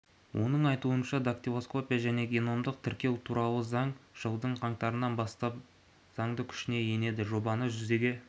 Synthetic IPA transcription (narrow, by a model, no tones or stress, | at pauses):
wʔo̞̰n̪əɴɑjt̪uənʃɑd̪akt̪ivo̞sko̞pʲijaʒæne̞ɡʲe̞no̞md̪əq̚t̪ʰɪɾkʲe̞wt̪ʰuɾɑlˠəzɑɴʒ̥əlˠd̪əɴqʰɑɴt̪ɑɾənɑnbɑst̪ɑp | z̥ɑɴd̪əkʲʰʏ̥ʃɪne̞je̞ne̞d̪ɪʒo̞bɑnəʒʏzd̪e̞ɡʲe̞